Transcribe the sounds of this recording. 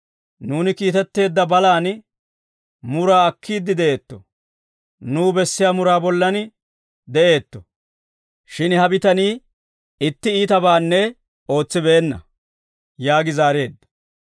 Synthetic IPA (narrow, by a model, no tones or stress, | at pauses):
nuːnɪkiːt̪ɛt̪ːe̞ːd̪ːɐbɐlaːn | mʊɾaːɐkʰːiːd̪ːɪd̪ɛʔe̞ːt̪ːɔ | nuːbɛsːɪjaːmʊɾaːbɔlːɐnɪ | d̪ɛʔe̞ːt̪ːɔ̥ | ʃɪnhɐbɪt̪ɐniː | ɪt̪ːɪiːt̪ɐbaːnːɛ | o̞ːt͡sːɪbeːnːɐ̰ | jaːɡɪzaːɾe̞ːd̪ːɐ̥